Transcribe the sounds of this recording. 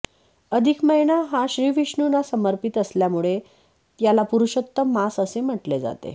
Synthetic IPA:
əd̪ʱikməjnaɦaɕɾiːʋiʂɳunasəməɾpit̪əsljamuɭe | t̪jalapuɾuɕət̪ːəmasəsem̤əʈled͡za̰t̪ḛ

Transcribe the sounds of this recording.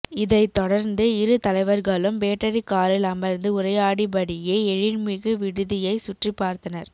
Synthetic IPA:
ɪðɐɪt̪ːɔɽɐɾnd̪ɯɪɾɯt̪ɐlɐɪʋɐɾɣɐɭɯmpeːʈːɐɾikːaːɾɪlɐmɐɾnd̪ɯʊɾɐjaːɽibɐɽɪjeːɛɻɪnmɪɣɯʋɪɽɯðɪjɐɪsʊʈripːaːɾt̪ɐnɐɾ

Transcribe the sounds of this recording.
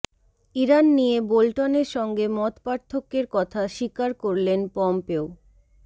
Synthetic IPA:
iɾanːijebolʈoneɾʃɔŋɡemɔt̪paɾt̪ʰokːeɾkɔt̪ʰaʃikaɾkoɾlenpɔmpeo

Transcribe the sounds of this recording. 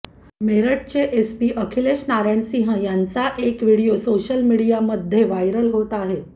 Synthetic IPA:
meɾəʈ̚t͡ɕeʔespiːʔəkʰileɕnaɾaɳsĩɦə̃jãnt͡saʔekʋiɽijosoɕəlmiɽijaməd̪ʱːjeʋajɾəlɦot̪aɦe

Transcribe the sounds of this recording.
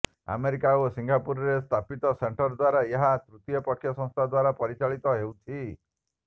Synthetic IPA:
a̰meɾikaosiŋɡʱapuɾɔɾest̪ʰapit̪ɔseɳʈɔɾd̪waɾaeɦat̪ɾut̪ijɔpɔkʰjɔsɔ̃ŋ̃st̪ʰad̪waɾapɔɾit͡ʃaɭit̪ɔɦewt͡ʃʰi

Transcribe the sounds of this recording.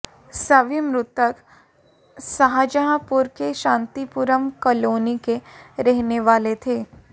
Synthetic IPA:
sɐʋimɾʊt̪ək | sɐɦad͡ʒəɦapʊɾkeʃãːnt̪ipuɾəmkɐloːnikeɾɛɦneʋaːlet̪ʰeː

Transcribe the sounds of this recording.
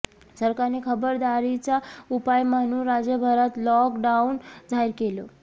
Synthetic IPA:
səɾkanekʰəbəɾd̪aɾit͡saupajmañuːɾad͡zjəbʱəɾat̪lɔkɖaund͡zʱajɾkelo

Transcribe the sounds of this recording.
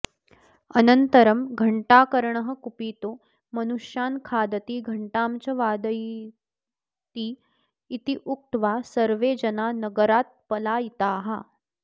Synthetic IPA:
ənənt̪əɾəmɡʱəɳʈaːkəɾɳəɦəkupiːt̪o | mənuʂjaːnkʰaːd̪ət̪iːɡʱɐɳʈamt͡ɕɐʋad̪əj | t̪iː | it̪iʔuk̚ʈ̪ʋasəɾʋed͡ʑɐnanəɡəɾat̪̚pəlajit̪aːɦa̰

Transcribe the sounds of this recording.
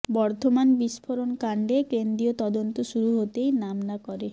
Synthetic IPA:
bɔɾt̪omanbispʰoɾonkaɳɖekend̪ɾiot̪ɔd̪ont̪oʃuɾuɦot̪ejnamnakɔɾe

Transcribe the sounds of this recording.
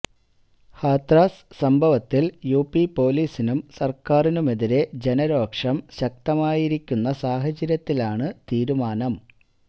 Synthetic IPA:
haːt̪raːssɐmbʱɐʋɐt̪ːiljuːpːipo̞ːliːsinumsɐrkaːrinume̞ðiɾe̞d͡ʑe̞nɐɾo̞ːkʂɐmɕɐk̚t̪ɐmaːjiɾikʲːunːɐsaːɦɐt͡ɕɐɾjɐt̪ːilaːɳɨt̪iːɾumaːnɐm

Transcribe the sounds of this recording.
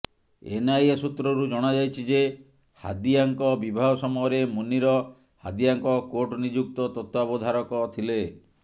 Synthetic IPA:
ḛnajasut̪ɾɔɾud͡ʒɔɽ̃ad͡ʒajt͡ʃʰid͡ʒe | ha̰d̪ijaŋkɔbibʱaɦɔsɔmɔjɔɾemuniɾɔ | ha̰d̪ijaŋkɔkoʈɔnid͡ʒuk̚t̪ɔt̪ɔt̪abɔd̪ʱaɾɔkɔt̪ʰile

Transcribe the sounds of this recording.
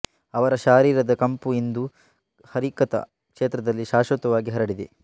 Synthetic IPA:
ɐʋɐɾɐʃaːɾiːɾɐd̪ɐkɐmpuind̪u | hɐɾikɐt̪ɐ̰ | kʂeːt̪ɾɐd̪ɐlːiʃaːʃʋɐt̪ɐʋaːɡiɦɐɾɐɽid̪e

